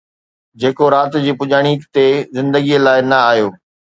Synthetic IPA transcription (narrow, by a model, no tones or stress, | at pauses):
d͡ʑeːkoɾaːt̪d͡ʑiːpʊʄaːɽ̃iːkt̪ezɪ̃nd̪əɡilaːɪnɐaːɦjoː